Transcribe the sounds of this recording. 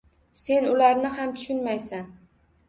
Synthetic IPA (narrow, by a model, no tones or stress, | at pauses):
se̞nʊlaɾnɪhamt̪ʰʊ̥ʃʊnmajsan